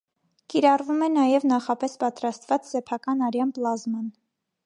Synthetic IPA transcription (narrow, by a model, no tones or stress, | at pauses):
kiɾɑrvumɛnɑjɛvnɑχɑpɛspɑt̪ɾɑst̪vɑt͡ssɛpʰɑkɑnɑɾjɑnplɑzmɑn